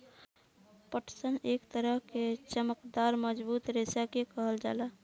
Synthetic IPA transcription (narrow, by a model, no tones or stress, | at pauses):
pəʈsənekt̪əɾəɦket͡ʃəməkd̪aɾməd͡ʒbut̪ɾesakekəɦəld͡ʒa̰la